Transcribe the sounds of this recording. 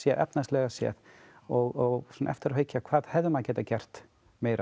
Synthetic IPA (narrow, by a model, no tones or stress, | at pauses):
sjɛðʔɛ̰pnast̪lɛɣasjɛ̰ð | ɔɣɔɣsɔnaɛ̰ft̪ɪɾaheːɥjcakʰvaːðhɛvðʏmaðcɛːt̪acɛr̥t̪ | meːjɾa